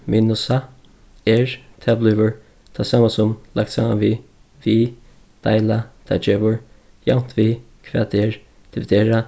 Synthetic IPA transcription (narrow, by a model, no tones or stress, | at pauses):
minʊsa | ɛɹt̪ʰɛblʏːvəɹ | t̪ʰasaːmasʊmlak̚t̪saːma̰nvi | viː | d̪̥a̰ɪlat̪ʰa̰d͡ʒeːvʊɹ | ja̰wn̥t̪viː | kʰvɛːd̪ɛɹ | t̪ʰɪvd̪eːɹa